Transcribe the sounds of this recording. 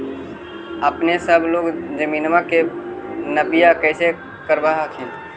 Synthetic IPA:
əpnesəbloːɡd͡ʒəmiːnmãkenəbɪjakɛːse | kəɾbaɦakʰĩ

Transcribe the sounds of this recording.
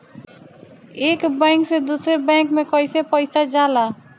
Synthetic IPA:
ekbɛŋksed̪useɾbɛŋkmekɔjsepɔjsad͡ʑala

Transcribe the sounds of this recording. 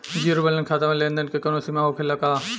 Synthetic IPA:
d͡ʒiɾbələnkʰaːt̪amẽlẽːnd̪ənkʰekɐnosimaːɦokʰelɐkaː

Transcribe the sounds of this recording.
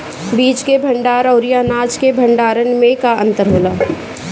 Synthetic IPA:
biːd͡ʒt͡ʃkebʱɐ̃ɳɖaːɾɔʊɾijaːnaːd͡ʒkebʱɐɳɖaːɾənmẽkaə̰̃nt̪əɾɦoːlaː

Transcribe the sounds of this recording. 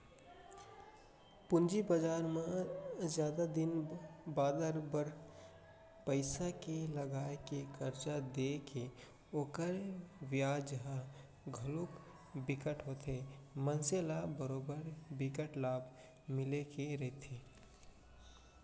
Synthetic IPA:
pʊnd͡ʒibəd͡ʒaːɾmãzjaːd̪ad̪ɪnbaːd̪əɾbəɾ | pəɪsakeləɡaːekekəɾt͡ʃad̪eke | oːkəɾʋjaːd͡ʒəɦã | ɡʱəlok | bɪkəʈɦot̪ʰemənselabəɾoːbəɾbɪkəʈlaːb | mɪlekeɾəɦt̪ʰeː

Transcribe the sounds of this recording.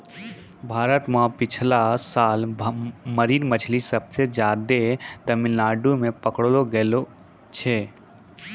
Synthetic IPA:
bʱaːɾət̪mãpɪt͡ʃʰlasaːl | məɾiːɾmət͡ʃʰlisɐbsed͡ʒjaːd̪et̪əmɪlːaːɖumẽpəkɽloɡelo | t͡ʃʰeː

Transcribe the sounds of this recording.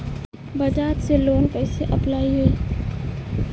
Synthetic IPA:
bɐd͡ʒaːt̪seloːnpɛːseʔɐplaːiɦoiː

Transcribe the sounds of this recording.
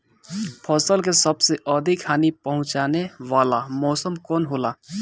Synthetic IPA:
pʰɔːsəlk̬esəbseʔɔd̪ʱɪkkʰaːnipəɦʊ̃t͡ʃaːneʋaːlamɔːsəmkɔːnɦoːlaː

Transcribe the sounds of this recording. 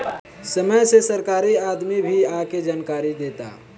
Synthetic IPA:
səməjsesəɾkaɾiad̪mibʱiaked͡ʒankaɾid̪et̪a̰

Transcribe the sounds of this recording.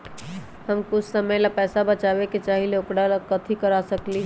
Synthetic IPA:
həmkʊt͡ʃʰsəməlapɛːsabət͡ʃabeket͡ʃaɦileukɽalakət̪ʰikəɾasəkliɦ

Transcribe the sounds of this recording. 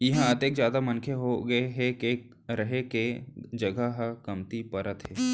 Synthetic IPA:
jɪɦãɐt̪eːkzjaːd̪amɐnkʰeɦoɡɐeɦeke | ɾɐɦeked͡ʒɐɡəɦəkɐmt̪ipɐɾət̪ɦɛː

